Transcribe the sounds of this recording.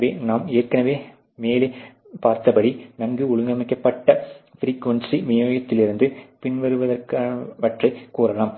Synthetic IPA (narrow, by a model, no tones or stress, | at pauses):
ʋeːnaːmeːrkɐnɐʋeː | meːleː | paːɾt̪ɐpɐɽinɐŋɡɯʊɭʊŋɡɐmɪkːɐpːɐʈːɐfɾiːkʋɐnsimɪjoːjɐt̪ːɪlɪɾɯnd̪ɯpɪɳʋɐɾɯʋɐðɐrkaːɐʋɐʈrɐɪkuːɾɐlaːm